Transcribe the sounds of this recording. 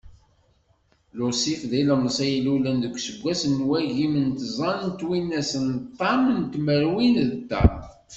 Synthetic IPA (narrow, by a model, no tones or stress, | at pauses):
lʊsifðiləməsˤæjlulənðəkʷːsəɡʷæsənːwæʝimənt̪zˤɑnnt̪winːæsənt̪ˤːɑmənt̪məɾwinðd̪ɑ̰